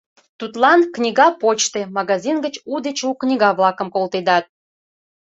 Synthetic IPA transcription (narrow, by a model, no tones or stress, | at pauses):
t̪ut̪lɑnknʲiɣɑpot͡ɕt̪emɑɣɑzʲinɡət͡ɕud̪et͡ɕuknʲiɣɑβlɑkə̆mkolt̪ed̪ɑt̪̚